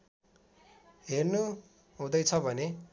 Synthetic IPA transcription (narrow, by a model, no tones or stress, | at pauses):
ɦernu | ɦũd̪ʌjt͡sʰʌbʱʌne